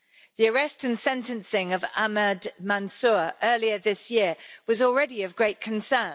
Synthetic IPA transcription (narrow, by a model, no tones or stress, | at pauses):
ðiəɹɛstə̃nsɛ̃ntə̃nsɪ̃ŋəvamədmãnsʊːɹʔɜːliəðɪsjɪəwɒzɔːlˠɹɛdiəvɡɹeɪʔkʰə̃nsɜː